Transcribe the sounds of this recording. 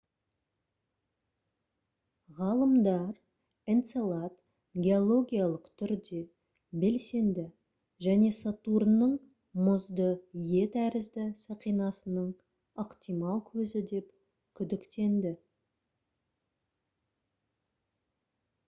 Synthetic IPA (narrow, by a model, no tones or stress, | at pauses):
ʁɑlˠəmd̪ɑɾ | ent̪selˠɑt̪ | ɡʲe̞o̞lˠo̞ɡʲijalˠəqt̪ʰʏɾd̪e̞ | be̞lse̞nd̪ɪ | ʒæne̞sat̪uɾnːəɴ | mʊzd̪əje̞t̪æɾɪzd̪ɪsɑqijnɑsənəɴ | əqt̪ijmɑlˠkʲʰɵzɪd̪e̞p | kʲʰʏd̪ɪkt̪e̞nd̪ɪ